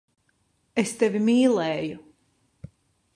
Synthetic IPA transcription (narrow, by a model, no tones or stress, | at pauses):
est̪ɛvimiːlˠɛːju